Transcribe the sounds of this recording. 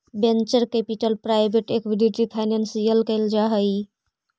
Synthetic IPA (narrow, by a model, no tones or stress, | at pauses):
bent͡ʃəɾkepiʈəlpɾajbeʈekwiɖiʈipʰajnensijəlkəɪld͡ʒaɦəj